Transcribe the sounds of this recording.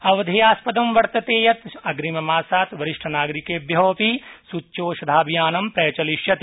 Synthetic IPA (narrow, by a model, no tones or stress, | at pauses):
ɐʋɐd̪ʱijaːspɐd̪ɐmʋɐɾt̪ɐt̪eːjɐt̪ɐɡɾimɐmaːsaːt̪ʋɐɾɪʃʈʰɐnaːɡɾikeːbjɐːpisutːʃoːʃɐd̪ʱaːbijaːnɐmpɾɛːt͡ʃɐliʃjɐt̪